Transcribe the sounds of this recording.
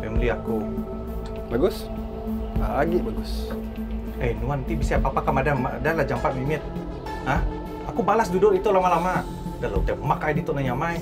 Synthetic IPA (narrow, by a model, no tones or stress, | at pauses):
memuliaku | baɡʊs | aɡibaɡʊs | ɛjnuant̪ibisaapapakamadamadalad͡ʒampat̪̚mimɛt̪̚ | nah | akubalasdudʊrit̪ulamalama | dalaut̪emakajdit̪ɔnaɲamaj